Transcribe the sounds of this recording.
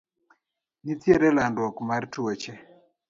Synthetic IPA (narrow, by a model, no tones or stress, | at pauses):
nit̪jeɾɛlandwɔkmartot͡ʃɛ